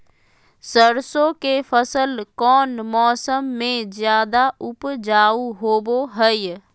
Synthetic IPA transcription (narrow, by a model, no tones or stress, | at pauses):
səɾsõkefʰəsəlkɔːnmɔːsəmːẽzjaːd̪aʊpd͡ʒaːuɦoːboɦəj